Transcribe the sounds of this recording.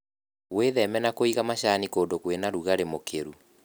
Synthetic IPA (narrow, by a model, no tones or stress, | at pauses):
weðɛmɛnakoiɣamaɕanikoːndokwenaɾuɣaɾemokʰeɾu